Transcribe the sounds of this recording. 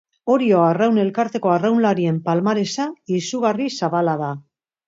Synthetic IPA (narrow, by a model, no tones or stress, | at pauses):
o̞ɾioarawne̞lkaɾt̪e̞ko̞arawnlaɾie̞mpalmaɾe̞saisuɣarisaβalaða